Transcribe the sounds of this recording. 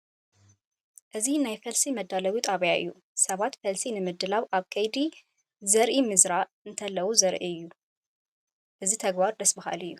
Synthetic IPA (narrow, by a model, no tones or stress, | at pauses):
ʔɨzinajfɐlsimɐd̪ːalɐwit̪ʼaβjaʔɨ̰jːu | sɐβat̪fɐlsinɨmɨd̪ɨlaβaβkʰɐjd̪i | zɐɾʔimɨzɾaɨnt̪ʰɐlːɐwuzɐɾʔiɨjːu | ʔɨzit̪ʰɐɡbaɾd̪ɐsbɐha̰lɨjːu